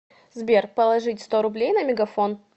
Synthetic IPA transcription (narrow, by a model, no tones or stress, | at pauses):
zbʲerpəlˠɐʐɨtʲst̪oɾʊblʲejnəmʲɪɡɐfon